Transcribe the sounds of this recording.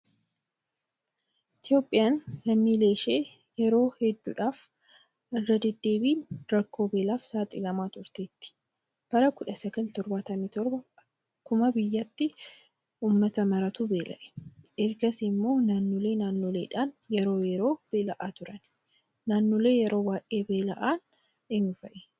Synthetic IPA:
ʔɪt̪ɪjo̞ːpʼːɪjaːnlɐmːiːle̞ːʃe̞ː | jɛɾo̞ːhɛd̪ːṵːᶑaːf | ɐrːɐd̪ɛd̪ːe̞ːbiːɾɐkːo̞ːbe̞ːlaːfsaːt̪ʼɪlɐmaːt̪ʊɾt̪eːt̪ːɪ̥ | b̥ɐɾɐkʊᶑɐsɐɡɐlt̪ɔɾbaːt̪ɐmiːt̪ɔɾbɐ | kʊmɐbɪjːɐt̪ːɪ | uːmːɐt̪ɐmɐɾɐt̪uːbe̞ːlɐ̰ʔɛ̥ʔɛɾɡɐsɪmːo̞ːnaːnːoːle̞ːnaːnːoːleːᶑaːnjɛɾo̞ːjɛɾo̞ːb̥e̞ːlɐʔaːt̪ʊɾɐn | naːnːoːle̞ːjɛɾo̞ːbaːʔʼe̞ːbe̞ːlɐʔaːn | ɪnʊfɐʔɛ

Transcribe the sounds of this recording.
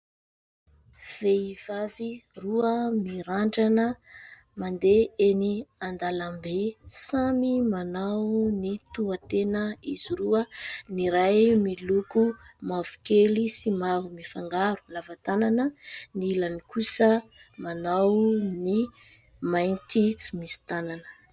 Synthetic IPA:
v̥eiv̥aviruəmiɾaɳɖ͡ʐanə | mand̪eeniand̪alambesamimanawnit̪uat̪enəiz̥iɾuəniɾajmiluku | mavu̥kelisimavumifaŋɡaɾu̥lavat̪ananəniilanikusə | manawni | majnt̪it͡si̥misi̥t̪ananə̥

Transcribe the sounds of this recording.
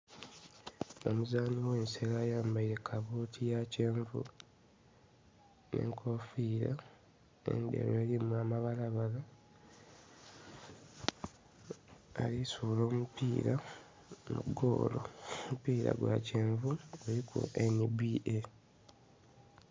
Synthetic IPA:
o̞muzaːniwe̞ːnse̞laːjaːmbaiɾe̞kʰaβuːtʰijace̞ːɱvṵ | nḛŋkʰofiɾa | e̞̰ndḛɾoeːlimuamaβalaβala | lisulo̞ːmupiːɾa | mṵɡo̰ːlo̰mupiːɾa̰ɡwa̰ceːɱvuelikʰṵʔenibiʔe

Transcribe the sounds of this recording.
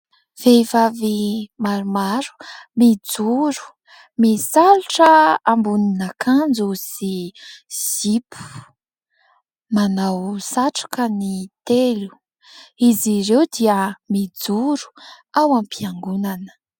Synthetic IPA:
v̥ejvavimaɾumaɾu̥mid͡zuɾu̥ | misaluʈ͡ʂəambuninakʰand͡zusi | z̥ipʰu̥ | manawsaʈ͡ʂḁkənit̪elu̥ | iziɾewd̪iəmid͡zuɾu̥ | awampʰiaŋɡunanə̥

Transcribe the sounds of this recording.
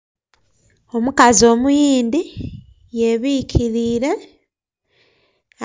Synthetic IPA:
o̞mukazio̞ːmujiːndi | je̞βicʰiɾiːɾe̞

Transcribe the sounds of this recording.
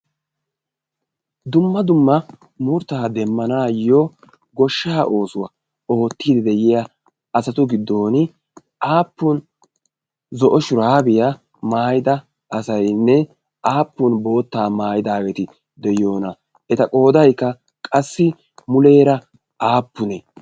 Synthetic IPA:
d̪ʊmːɐd̪ʊmːɐ | mʊɾt̪aːd̪ɛmːɐnaːjːo | ɡɔʃːaːʔo̞ːsʊwɐ̰ | o̞ːt̪ːiːd̪ɛd̪ɛjɪjɐ | ɐsɐt̪ʊɡɪd̪ːo̞ːnɪ | ʔaːpːʊn | zɔʔɔʃʊɾaːbɪjɐ | maːjɪd̪ɐ | ɐsɐjnːɛ | aːpːʊnbo̞ːt̪ːaːmaːjɪd̪aːwɛt̪ɪ | d̪ɛjo̞ːnɐ | ʔɛt̪ɐkʼo̞ːd̪ɐjkːɐ | kʼɐsːɪ | mʊle̞ːɾɐ | ʔaːpːʊnɛ

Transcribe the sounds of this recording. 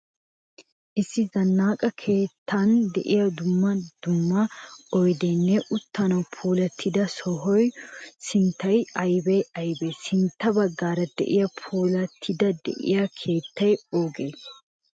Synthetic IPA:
ʔɪsːɪzɐnːaːkʼɐkʰe̞ːt̪ʰːɐnd̪ɛʔɪjɐd̪ʊmːɐd̪̥ʊmːɐɔjd̪ɛnːɛʔʊt̪ːɐnɐwpʰuːlɐt̪ʰːɪd̪ɐsɔɦɔjsɪnt̪ːɐjɐjbɛjɐjbɛsɪnt̪ːɐbɐɡːaːɾɐd̪̥ɛ̰ʔɪjɐpʰuːlɐt̪ʰːɪd̪ɐd̪ɛ̰ʔɪ̰jakʰe̞ːt̪ːɐjoːɡḛː

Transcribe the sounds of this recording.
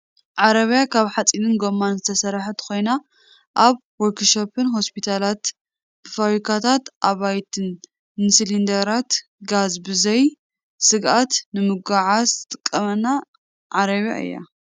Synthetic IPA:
ʕaɾɐβijakʰaβħat͡sʼinɨnɡo̞mːanzɨt̪ʰɐsɐɾaħɨt̪ʰɨ̥xo̞jna | ʔaβ | wɔɾkʰʃopɨnɦo̞spʰit̪ʰalat̪ | b̥ɨfaβɾikʰat̪ʰat̪ʔaβajt̪ʰɨn | nɨsɨlind̪ɐɾat̪ | ɡazbɨzɐj | sɨɡʔat̪nɨmɨɡaʕazɨt̪ʼɨkʼːɐmɐna | ʕaɾɐβja̰ʔɨ̰jːa̰

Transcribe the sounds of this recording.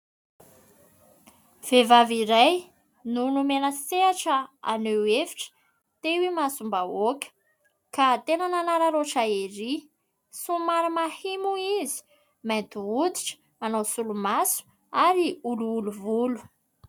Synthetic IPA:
v̥evaviɾaj | nunumenəseaʈ͡ʂəa̰newefi̥ʈ͡ʂə̥ | t̪ewimasumbaokʲə̥ | kat̪enananaɾaɾoʈ͡ʂaeɾi | sumaɾamahimuizi̥ | mant̪uud̪i̥ʈ͡ʂə̥ | anowsulumasu̥ | aɾiuluːluvulu̥

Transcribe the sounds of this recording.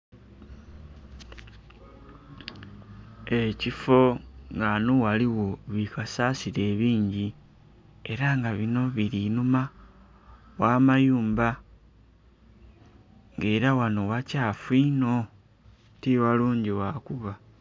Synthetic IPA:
e̞cifo̞ŋɡanuwaliwo̞βikasasiɾe̞ːβiːɲɟi | e̞ɾaŋɡaβino̞βiɾinuma | wamajuːmba | ŋɡe̞ːɾawano̞wacaːfino̞ | tiwaluːɲɟiwakuβa

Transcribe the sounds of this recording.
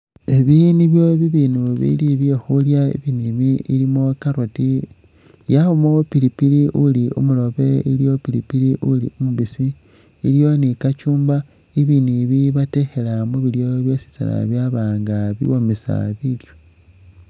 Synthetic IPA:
eβiniβjoβiβinuβḭliβjexuljaḭβiniβiilimo̞kaɾoti | jaxumopilipiliʔuliṵmulo̞βe̞iljo̞pilipiliʔulḭumuβisi | iljo̞nikat͡ʃuːmba | iβiniβiβate̞xe̞lamuβiljo̞βjesi̥t͡sa̰la̰βjaβaːŋɡaβḭwomisa̰βiljo

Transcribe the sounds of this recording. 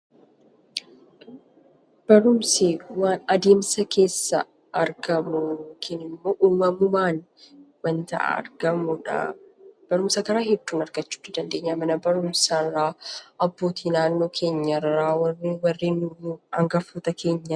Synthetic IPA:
b̥ɐɾʊmsiwaːnɐd̪e̞ːmsɐkʰe̞ːsːɐ̰ | ʔɐɾɡɐmʊkʰɪnɪmːoːʔuːmɐmʊmaːn | mɐnt̪ɐ̰ʔa̰ɐ̰ɾɡɐmʊᶑɐ̰b̥ɐɾʊmsɐkɐɾaːhɛd̪̥ːuːnɐɾɡɐt͡ʃːu̥ːt̪ːɪd̪ɐnd̪e̞ːɲːamɐnɐbɐɾʊmsɐraːɐbːo̞ːt̪ʰiːnaːnːo̞ːkʰe̞ːɲːɐraːwɐwɐrːeːnumuɐŋɡɐfuːt̪ɐkʰe̞ːɲːɐ

